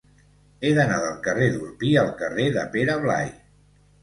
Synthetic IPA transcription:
eðənaðəlˠkəreðuɾpiəlˠkəreðə̰peɾəβla̰j

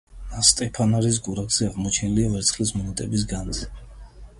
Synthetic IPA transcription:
ast̪ʼɛpʰanaɾis̬ɡuɾakz̥ɛaʁmɔt͡ʃʰɛniliavɛɾt̪sʰχlismɔnɛt̪ʼɛbis̬ɡanzɛ

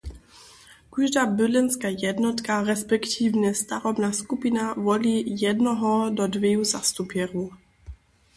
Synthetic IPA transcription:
kuʒd̪abɪlɛnskajɛdnɔt̪kaɾɛspɛkt̪ʰivɲɛst̪aɾɔbnaskupinavɔliːjɛdnɔɦɔdɔdvjɛjuzast̪upjɛɾuː

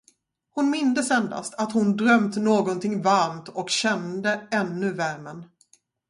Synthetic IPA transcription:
hʊnmɪnd̪əsɛnd̪a̰st̪at̪hʊnd̪ɾœmt̪noːɡɔnt̪ʰɪŋvaɾmt̪ɔkɕɛnd̪əɛnːɵvæɾmən

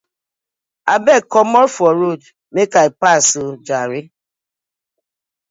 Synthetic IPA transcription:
abɛkɔmɔɾfɔɾod | mekaepasud͡ʒaɾɪ

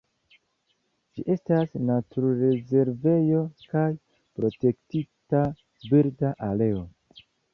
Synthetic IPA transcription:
d͡ʒiʔe̞stasnatʰuɾɾe̞ze̞ɾve̞jo̞kaj | pɾo̞te̞ktita | biɾdaʔale̞o̞

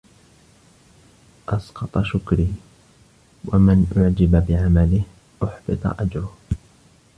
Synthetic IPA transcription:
ʔɑsqɑt̪ˤɑʃʊkɾiː | wamɪnʔʊʕd͡ʒababɪʕamalɪh | ʔʊħbɨt̪ˤɑ̰ʔad͡ʒɾʊh

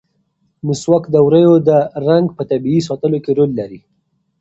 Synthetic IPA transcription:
niswakd̪əwɾəjod̪əɾaŋɡpət̪abiis̬ɑt̪əlokeɾolːaɾi

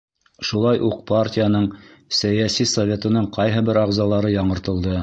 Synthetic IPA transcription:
ʃulˠɑjʔuq̚partʲɪjanɤɴsæjæsisovʲe̞t̪ɤ̆nɤɴqɑjɦɤbɘɾɑʁzɑlˠɑɾɤjɑɴɤ̆ɾt̪ɤ̆lˠd̪ɤ

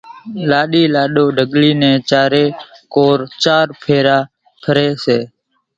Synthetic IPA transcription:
laːɗiːlaːɗoːɖʱəɠliːnɛ̃ːt͡ʃaːɾeːkoːɾt͡ʃaːɾpʰeːɾaː | pʰəɾeːseː

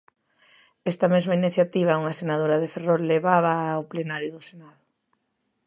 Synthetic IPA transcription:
ɛst̪ɐmezmainiθjat̪iβ̞auŋasenað̞oɾaðeferɔlːeβaβaːwplenaɾjʊðʊsenaðʊ

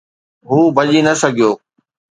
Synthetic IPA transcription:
ɦuːbɐʄinɐsɐɡʱijoː

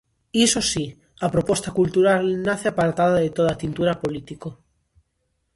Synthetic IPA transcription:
isosi | apɾopwe̞st̪akult̪uɾalnaθeapaɾt̪aðaðet̪oð̞at̪int̪uɾapolit̪iko

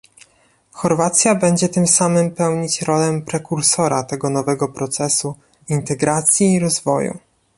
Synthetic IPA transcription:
xɔɾvat̪sʲjabɛɲd͡ʑɛt̪ɘmsamɘmpɛwɲit͡ɕɾɔlɛmpɾɛkuɾsɔɾat̪ɛɡɔnɔvɛɡɔpɾɔt̪sɛsu | int̪ɛɡɾat̪sʲjiːɾɔzvɔ̰jṵ

